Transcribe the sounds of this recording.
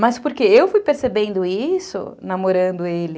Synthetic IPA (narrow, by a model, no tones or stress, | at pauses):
mɐspoɾkeewfujpeɾsebẽnd̪ʊisʊ̰namoɾɐ̃nd̪ʊelɪ